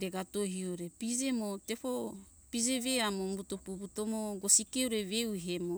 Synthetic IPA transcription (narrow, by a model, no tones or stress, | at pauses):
ɾeɡatoɦioɾepize̞motepo | pid͡ʒeβeamombutopubutomoɡosikeuɾevewɦemo